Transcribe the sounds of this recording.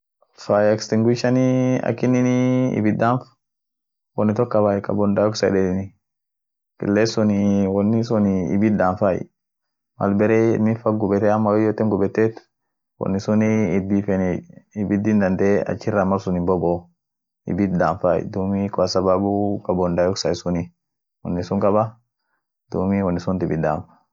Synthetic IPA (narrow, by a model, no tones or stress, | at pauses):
fajɛkst̪ɪŋɡwɪʃɐniɐ̰kːɪnɪniɪ̰bɪd̪aːnf | wɔnːɪt̪ɔkːɐbaːjkɐ̰bɔnd̪aːɔksɐ̰dɛnɪ | kɪ̰lːeːsʊnɪwɔnːɪsʊnɪ̰bɪd̪aːnfaːj̰ | mɐ̰lbɛɾemɪfɐɡʊbɛt̪ɛɐmːawɔjɔt̪ːɛŋɡʊbɛt̪ːeːt̪ | wɔ̰nːisuniːdifɛniibid̪ind̪and̪ɛa̰t͡ʃːiramaɾsunibɔbɔ | ḭbit̪̚d̪anfaj̰d̪umikasababukabɔnd̪ajɔksaisuni | wɔ̰nːisuŋkaba | d̪̥ṵmiwɔnːisunt̪ibid̪a̰ːnfḁ